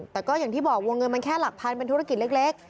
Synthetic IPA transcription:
t̪ɛː˨˩kɔː˥˩jaː˨˩ŋt̪ʰiː˥˩bɔː˨˩k̚wo˧ŋɤ˧nma˧nkʰɛː˥˩la˨˩k̚pʰa˧npe˧nt̪ʰu˦˥a˥˩ki˨˩t̪̚lɯ˥˩k̚le˦˥˩k̚

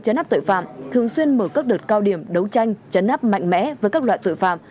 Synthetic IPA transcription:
t͡ɕə˨˦na˦˥t̪o̰˧˨jfa̰ː˧˨mt̪ʰɨ˨˩əŋswi˧ənməː˧˩kəː˦˥k̚ɗəː˨˩t̚kaː˧wɗi˧˩əmɗə˨˦wt͡ɕa˧jŋ̟t͡ɕə˨˦nʔaː˦˥p̚ma̰˧˨jŋ̟mɛ̰˧˥vəː˨˦jkaː˦˥k̚la̰ː˧˨jt̪o̰˧˨jfa̰ː˧˨m

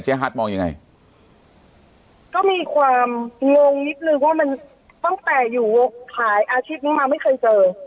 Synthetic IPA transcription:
t͡ɕʰeː˦˥ɦaː˦˥t̪̚mɔː˧ŋja˧ŋa̰˧j | kɔː˥˩miː˧kʰwaː˧mŋo˧ŋni˦˥t̪̚nɯ˧waː˥˩ma˧n | t̪ɔ˥˩ŋt̪ɛː˨˩juː˨˩wo˦˩t̪ʰaː˩˦jʔaː˧t͡ɕʰiː˥˩p̚niː˦˥maː˧ma˥˩jkʰɤː˧jt͡ɕɤː˧

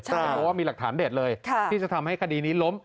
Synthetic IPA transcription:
ɔ˧waː˥˩miː˧la˨˩k̚t̪ʰaː˩˦ndeː˨˩t̪̚lɤː˧j̪ʰiː˥˩t͡ɕa˨˩t̪ʰa˧mɦa˥˩jkʰa˧diː˧niː˦˥lo˦˥m

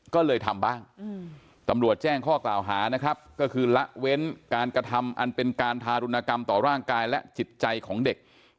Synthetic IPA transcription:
kɔː˥˩lɤː˧jt̪ʰa˧mbaː˥˩ŋ | t̪a˧mɾu˨˩ət̪̚t͡ɕɛː˥˩ŋkʰɔː˥˩klaː˨˩wɦaː˩˦na˦˥kʰɾa˦˥p̚kɔː˥˩kʰɯː˧la˦˥ʔwe˦˥nkaː˧nkɾa˧t̪ʰa˧mʔa˧npe˧nkaː˧np̪ʰaː˧ɾu˧nːaː˧ka˧mt̪ɔː˨˩ɾaː˥˩ŋkaː˧jlɛ˦˥t͡ɕi˨˩t̪̚t͡ɕa˧jkʰɔː˩˦ŋde˨˩k̚

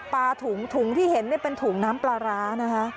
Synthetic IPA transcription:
paː˧t̪ʰuː˩˦ŋt̪ʰuː˩˦ŋt̪ʰiː˥˩he˩˦nːi˥˩pe˧nt̪ʰuː˩˦ŋnaː˦˥mplaː˧ɾaː˦˥na˦˥kʰa˦˥ʔ

